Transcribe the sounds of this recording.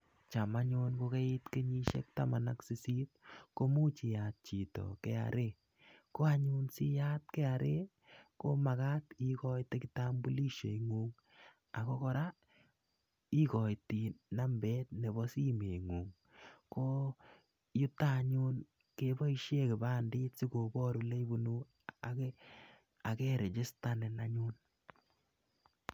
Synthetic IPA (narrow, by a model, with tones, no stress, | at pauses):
t͡ʃa˨ma˦ɲo˦nko˦ke˦ɪ˦tke˦ɲi˦ʃḛ˦k̚ta˦ma˨naksi˦si˦t̚ko˦mu˦t͡ʃi˨jat̚t͡ʃi˨tɔ̰˨kɛ˦a̰˨ɾe | ko˦a˨ɲu˦nsi˦ja˦t̚kɛ˦a˨ɾe˦ | ko˦ma˨ka˦tikɔ˦jtekita˦mbu˦li˦ʃḛ˨iŋu˦ŋ | a˨ko˦kɔ˦ɾa˦ | i˦kɔ˨jti˨na˦mbe˦t̚ne˨bɔ˦si˦me˨ŋuː˨ŋ | ko˦ | ju˦ta˦ɲu˦n | ke˦bɔ˦iʃje˦ke˨baː˦ndiː˦tsi˦ko˨bɔ˦ɾu˨le˦i˦bu˨nu˦ | a˨ | a˨kɛ˦ɾe˨t͡ʃɪ˦sta˦ne˨na˦ɲu˦n